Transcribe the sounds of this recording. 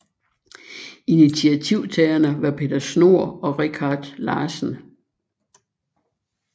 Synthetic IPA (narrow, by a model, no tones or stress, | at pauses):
init͡sʰiæt͡sʰiʊ̰t͡sʰɛːɐnəʋɑ̈pʰe̝d̥ɐsno̝ɐ̰ɒ̽ʁikʰɑ̈ːd̥lɑ̈ːsn̩